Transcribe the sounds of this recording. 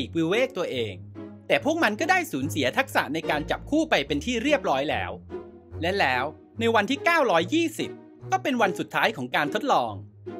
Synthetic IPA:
iː˨˩k̚wiː˧weː˥˩k̚t̪u˧ɐʔeː˧ŋt̪ɛː˨˩pʰu˥˩ək̚ma˧nkɔː˥˩daː˥˩jsuː˩˦nsi˩˦ɐt̪ʰa˦˥k̚sa̰˨˩ʔna˧jkaː˧nt͡ɕa˨˩p̚kʰuː˥˩pa˧jpe˧nt̪ʰiː˥˩ɾi˥˩əp̚ɾɔː˦˥jlɛ̰ː˦˥w | lɛ˦˥lɛː˦˥w | na˧jwa˧nt̪ʰiː˥˩kaː˥˩wɾɔː˦˥jːiː˥˩si˨˩p̚ | kɔː˥˩pe˧nwa˧nsu˨˩t̪ʰːaː˦˥jkʰɔː˩˦ŋkaː˧nt̪ʰo˦˥t̪̚lɔː˧ŋ

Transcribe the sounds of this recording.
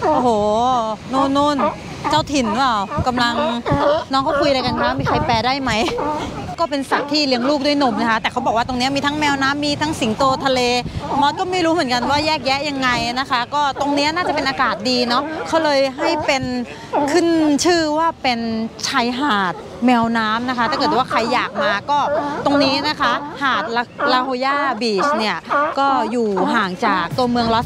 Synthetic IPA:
ʔo˧˩hoː˨˩nuː˥˩nːuː˥˩n | t͡ɕaː˥˩wt̪ʰi˨˩nwa˧˩wka˧mla˧ŋnɔː˦˥ŋkʰa˥˩kʰu˧jɾa˧jka˧nkʰaː˦˥miː˧kʰa˧jpɛː˧daː˥˩jma˦˥jkɔː˥˩pe˧nsa˨˩k̚t̪ʰiː˥˩li˦˥əŋluː˥˩k̚du˥˩jno˧mna˦˥kʰa˦˥t̪ɛː˨˩a˦wbɔ˨˩kwaː˥˩t̪o˧ŋni˦˥ɐ˨miː˧t̪ʰa˦˥ŋmɛː˧wnaː˦˥mːiː˧t̪ʰa˦˥ŋsi˩˦ŋt̪oː˧t̪ʰa˧leː˧mɔː˦˥t̪̚kɔː˥˩ma˥˩jɾuː˦˥mɯ˨˩˦nŋka˧nwaː˥˩jɛː˥˩k̚jɛ˦˥ʔja˧ŋːa˧jna˦˥kʰa˦˥kɔː˥˩t̪o˧ŋni˦˥ɐnaː˥˩t͡ɕa˨˩pe˧nʔaː˧kaː˨˩t̪̚diː˧nɔ˦˥kʰa˦˥wlɤː˧jɦa˥˩jpe˧n | kʰɯ˥˩nt͡ɕʰɯː˥˩waː˥˩pe˧nt͡ɕʰa˦˥jɦaː˨˩t̪̚ | mɛː˧wnaː˦˥mna˦˥kʰa˦t̪ʰaː˥˩kɤː˨˩t̪̚waː˥˩kʰa˧jːaː˨˩k̚maː˧kɔː˥˩t̪o˧ŋniː˦˥na˦˥kʰa˦˥haː˨˩t̪̚la˧la˧ɦoː˧jaː˥˩biː˨˩t͡ɕni˥˩ɐkɔː˥˩juː˨˩ɦaː˨˩ŋt͡ɕaː˨˩k̚t̪u˧ɐmɯ˧əŋlɔ˦˥

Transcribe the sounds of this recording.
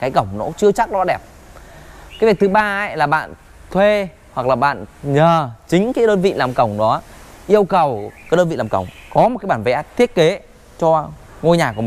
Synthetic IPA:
kaː˨˦jkə˧˩wŋ͡mnɔ̰˧˦t͡ɕɨ˧ət͡ɕa˦˥k̚ɗɔ˨˧˦ɗɛ˨˩p̚ | kaː˨˦jvi˨˩ət̪ʰɨ˨˦ɓaː˧˦˥jlaː˨˩ɓa̰ː˧˨n | t̪ʰwe˧ | hwa˨˩k̚laː˨˩ɓa̰ː˧˨nɲəː˨˩t͡ɕï˨˦ŋ̟kaː˨˦jɗəː˧nvḭ˧˨laː˨˩mkə˨˩wŋ͡mɗɔ˨˦ʔi˧əwkə˨˩waː˨˦˥ɗə˧nvḭ˧˨laː˨˩ŋ͡mkə˧˩wŋ͡mkɔ˨˦m˨˩t̚aː˨˦jɓaː˧˩nvḛ˨˦ʔa˦˥t̪ʰi˦˥ət̚ke˨˦ | t͡ɕɔ˧ | ŋo˧jɲaː˨˩ku˧˩m˨˩

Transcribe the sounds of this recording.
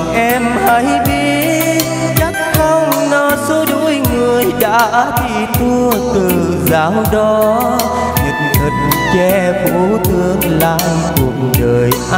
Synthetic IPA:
ʔɛ˧mha˧˦jɓi˦˧˥ət̚ | t͡ɕa˦˥k̚xə˧wŋ͡mnɔ˨˧˦so˨˦ɗṵ˧˥jŋɨ˨˩əjɗa̰ː˧˥t̪i˧˩t̪u˧ət̪ɨ˨˩zaː˨˩˦wɗɔ˨˦ | ŋi˨˩t̚nt̪ʰə˨˩t̚t͡ɕɛ˧fo˧˥˦t̪ɨ˨˧˦əŋlaː˧j | ku˨˩ək̚ɗəː˨˩jʔ

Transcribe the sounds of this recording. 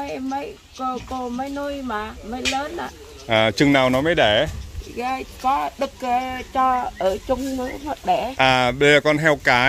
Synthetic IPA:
mə˨˦jmːə˨˦j | ko˧˩ko˨˧˩mə˨˦jnu˧jmaː˨˩mə˨˦jləː˨˦nʔa̰ː˧˨ | ʔaː˨˩t͡ɕɨ˨˩ŋnaː˨˩wnɔ˨˦məː˨˦jɗe˧˩ɣaː˧jkɔ˨˦ɗɨ˨˩k̚ə˨˩t͡ɕɔ˧ʔəː˧˩t͡ɕʊ˧ŋ͡mnɨ˨˦əmə˨˩t̚ɗɛ˧˩ʔaː˨˩ɓə˧zəː˨˩kɔ˧nɦɛ˧wkaː˨˦

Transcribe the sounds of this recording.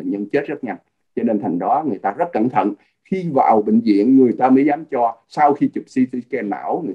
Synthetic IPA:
ɲə˧nt͡ɕe˦˥t̚z̥ə˦˥t̚ŋa˧jŋ | t͡ɕɔ˧ne˧nt̪ʰa˨˩jŋ̟ɗɔ˨˦ŋɨ˨˩əjt̪aː˧zə˦˥t̚kə˧˩nt̪ʰə̰˧˨n | xi˧va̰ː˨˩wɓḭ˧˨ŋ̟zḭ˧˨ənŋɨ˨˩əjt̪aː˧məː˨˦jzaː˨˦mt͡ɕɔ˧sa˧wxi˧t͡ɕɨ˨˩p̚si˧t̪i˧kɛ˧nma̰ː˧˩wŋɨ˨˩

